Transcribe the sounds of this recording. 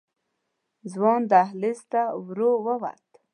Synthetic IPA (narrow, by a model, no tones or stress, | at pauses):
zwɑnd̪əaɦlɪst̪awɾowəwa̰ɾt̪